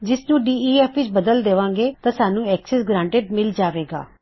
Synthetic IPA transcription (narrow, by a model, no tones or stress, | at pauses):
d͡ʒɪsnũːɖiːiːɛːpʰʋɪt͡ʃbəd̪əld̪eːʋãːŋɡeːt̪ãːsaːnũːɛːksɛːsɡɾãːɳʈeɖmɪld͡ʒaːʋeːɡa̰ː